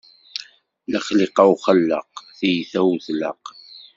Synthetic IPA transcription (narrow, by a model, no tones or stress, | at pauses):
laχlɪqɑwχəlːəqθijθæwθlə̰q